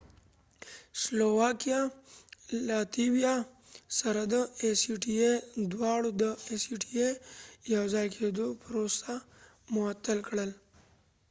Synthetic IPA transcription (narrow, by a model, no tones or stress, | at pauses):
slowaːkija | laːt̪iwija | sɐɾad̪əesiʈied̪waːɽod̪əesiʈiejawzaːjkʰed̪opəɾoːsa | mʊat̪ːəlkɽəl